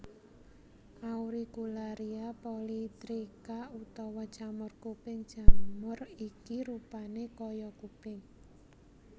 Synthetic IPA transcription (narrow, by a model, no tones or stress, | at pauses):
ʔauɾiɡ̥ulaɾiapolit̪ɾikaut̪ɔwɔd̥ʒ̥a̤mʊrkupɪŋd̥ʒ̥a̤mʊrikiɾupanekɔjɔkupɪŋ